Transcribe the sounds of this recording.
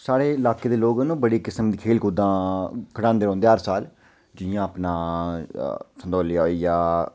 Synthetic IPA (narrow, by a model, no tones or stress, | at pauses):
saːɾeːɪlaːkeːd̪eːloːɡənũːbəɽiːkɪsəmd̪iːkʰeːlkuːd̪ãːkʰəɽãːnd̪eːɾõːnd̪eːɦəɾsaːl | d͡ʒɪjãːəpnaː | sənd̪oːlɪjaiːjaː